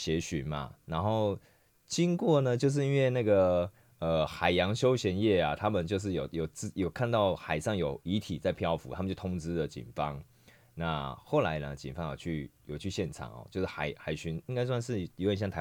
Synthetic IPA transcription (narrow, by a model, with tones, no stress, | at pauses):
ɕjɛ˧˥ɕy˧˥nma̰˨na˧˥nxo˥˩ʊ | t͡ɕi˦˥ŋkwɔ˥˨nə˨t͡ɕjo˥˧ʊʂ̬ɻ̩˥˩i˥nwe˥˧ɪna˥˩ɡə˩ | ə˨˩xa˨˩ɪjɑ˧˥ŋɕjo˥ʊɕjɛ˧˥njɛ˥˩a˨˩t̪ʰa˦˥mə˨nt͡ɕjo˥˧ʊʂ̬ɻ̩˥˩jo˨˩ʊjo˨˩ʊt͡sɹ̩˥˧jo˨˩ʊkʰa˥˧nt̪ɑ˥˩ʊxa˨˩ɪʂɑ˥˩ŋjo˨˩ʊi˧˥t̪ʰḭ˨˩t͡sa˥˩ɪpʰjɑ˥˧ʊfu˧˦a˥mə˨t͡ɕjo˥˩t̪ʰʊ˥ŋt͡sɹ̩˥˦lə˨t͡ɕḭ˨˩nfɑ˦ŋ | na˥˨xo˥˩ʊla˧˦ɪnə˨t͡ɕḭ˨˩nfɑ˦ŋjo̰˨˩ʊt͡ɕʰy˥˩jo˨˩t͡ɕʰy˥˧ɕjɛ˥˩nʈ͡ʂʰɑ̰˨˩ŋɔ̰˨˩t͡ɕjo˥˧ʊʂ̩˥˩xa̰˨˩ɪxa˨˩ɪɕy˧˥ni˥ŋka˥ɪswa˥˧nʂ̬ɻ̩˥˩i˧˥˦jɕjɑ˥˩ŋt̪ʰ